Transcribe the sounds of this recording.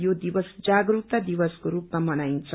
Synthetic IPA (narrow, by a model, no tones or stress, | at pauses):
jod̪ibʌsd͡zaɡɾuk̚t̪ad̪ibʌskoɾupmamʌnajnt͡sʰʌ